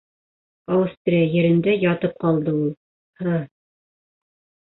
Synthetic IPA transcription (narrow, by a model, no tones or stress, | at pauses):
ɑwɤst̪rʲjɘ̆ɾɘ̆nd̪æjɑt̪ɤp̚qɑlˠd̪ɤulˠ | hɤ